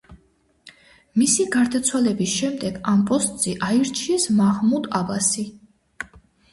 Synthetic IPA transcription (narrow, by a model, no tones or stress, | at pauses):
misiɡaɾd̪at̪sʰwalɛbisʃɛmd̪ɛɡampʼɔst̪ʼz̥ɛʔaiɾt͡ʃʰiɛsmahmud̪abasi